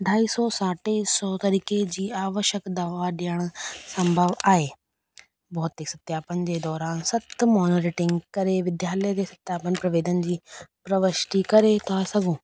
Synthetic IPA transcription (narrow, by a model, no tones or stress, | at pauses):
ɖʱaːiːsɔːsaːʈeːsɔːt̪əɾiːkeːd͡ʒiːaːʋəʃəkd̪aːʋaːɖjaːɳsəmbʱəʋaːeː | bɔːt̪ːeːksət̪jaːpənd̪eːd̪ɔːɾaːnsət̪mɔːnəɾeːʈɪŋɡkəɾeːʋɪd̪jaːləjd̪eːsət̪jaːpənpɾəʋeːd̪ənd͡ʒiːpɾəʋəʃʈ̪iːkəɾeːt̪aːsəɡũː